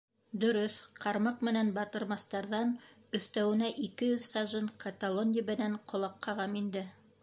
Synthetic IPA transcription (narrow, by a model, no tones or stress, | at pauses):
d̪ɵ̆ɾɵθqʰɑɾmɑqmɘ̆nænbɑt̪ɤ̆ɾmɑst̪ɑɾðɑn | ɵ̆θt̪æwɘ̆næʔikɘjɵðsɑʒɤɴkʰat̪alˠonʲɪəbɘ̆næɴqʰŏlˠɑqʰːɑʁɑmind̪ɘ